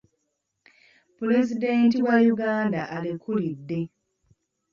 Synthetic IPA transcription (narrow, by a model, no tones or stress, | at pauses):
pule̞zide̞ːntiwajuɡaːndaʔalikulidːe̞